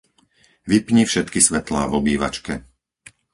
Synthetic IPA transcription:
ʋipɲifʃɛt̪kisʋɛt̪la̰ːvɔbiːʋa̰t͡ʃkɛ

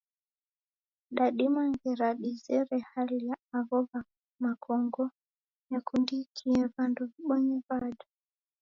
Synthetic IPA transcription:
ɗaɗimaŋɡɛɾaɗizɛɾɛhalijaaɣɔβa | makʰɔŋɡɔ | jakundikʰiɛβandɔvɓɔɲɛβaɗɔ

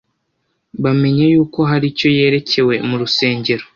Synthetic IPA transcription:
βame̞ɲajuːko̞ɦaɾico̞je̞ːɾe̞ce̞we̞muɾuse̞ːɲɟe̞ɾo

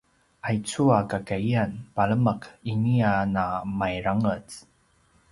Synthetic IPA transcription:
ʔajt͡suakakaianpaɭəməkinianamajɾaŋət͡s

